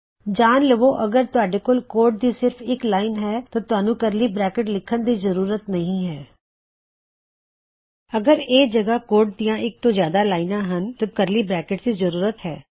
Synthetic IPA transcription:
d͡ʒaːnləʋoːʔəɡəɾt̪ʊaːɖeːkoːlkoːɾʈ̚d̪iːsɪɾfʰɪklaːɪnɦɛːt̪ãːt̪ʊaːnũːkəɾliːbɾɛːkɪʈlɪkʰːənd̪iːzəɾuːɾət̪nəɦĩːɦɛː | əɡəɾeːd͡ʒəɡaːkoːɾʈd̪ijãːʔɪk̚t̪õːzjaːd̪aːlaːɪnãːɦənt̪ãkəɾliːbɾɛːkɪʈd̪iːzəɾuːɾət̪ɦɛː

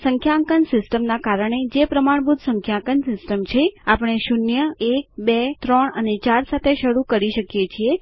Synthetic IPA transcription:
səŋkʰjaŋkənsɪsʈəmnakaɾəɳ̃ed͡ʒepɾəmaɳbud̪səŋkʰjãkənsɪsʈəmt͡ʃʰeapəɳ̃eʃunjəek̚bet̪ɾəɳənet͡ʃaɾsat̪ʰeʃəɽukəɾiʃəkjet͡ʃʰie

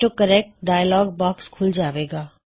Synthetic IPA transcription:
ʈokəɾek̚ʈɖaːjlɔːɡbaːkskʰʊld͡ʑaːʋeɡaː

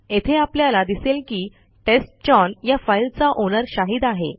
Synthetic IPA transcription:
et̪ʰeapljalad̪iselkiː | ʈesʈ̚t͡ɕɔnjafajlt͡saʔonəɾɕaɦiːd̪aɦḛ

